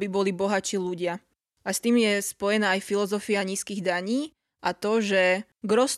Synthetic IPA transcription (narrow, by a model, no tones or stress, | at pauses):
bibɔlibɔɦat͡ʃiːluɟɪa | ʔast̪iːmjɛspɔjɛnaːjfilɔzɔfiaɲiːskiːɣd̪aɲiː | ʔat̪ɔʒɛ | ɡɾɔs